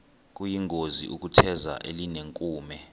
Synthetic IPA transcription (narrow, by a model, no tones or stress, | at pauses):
k̬ʼujiŋozḭʔuk̬utʰɛza̰ʔelineŋkʼuːmɛ